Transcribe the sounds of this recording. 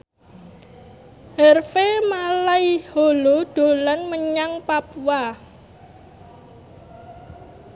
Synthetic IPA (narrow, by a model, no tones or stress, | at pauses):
ɦərfemalaiholoɖ̪̥o̤lanməɲaŋpapwa